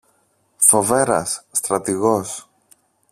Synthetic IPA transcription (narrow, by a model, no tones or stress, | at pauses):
fo̞ve̞ɾɐ̰sːt̪ɾɐt̪iɣo̞s